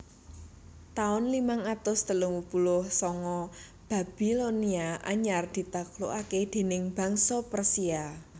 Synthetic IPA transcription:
t̪aʊnlimaŋat̪ʊsd̪̥ə̤lʊŋwupulʊhsɔŋɔ | b̥a̤b̥iloniaʔa̰ɲard̪̥i̤t̪aklo̰ʔaked̪̥e̤nɪŋb̥ä̤ŋsɔpərsia

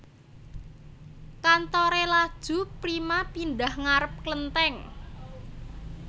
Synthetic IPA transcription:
kant̪ɔɾelad̥ʒ̥ṳpɾimapinɖahŋaɾəp̚klənt̪ɛŋ

